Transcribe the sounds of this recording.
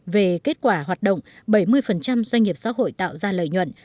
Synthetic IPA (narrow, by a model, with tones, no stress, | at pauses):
ve˨˩ke˦˥t̚kwaː˧˩ɦwaː˨˩t̚ɗə̰˧˨wŋ͡mɓə˧˩jmɨ˧əjfə˨˩nt͡ɕa˧mzwa˧ŋ̟ŋi˨˩əp̚sa̰ː˧˥ɦo̰˧˨jt̪a̰ː˧˨wzaː˧lə̰ː˧˨jɲwə̰˧˨n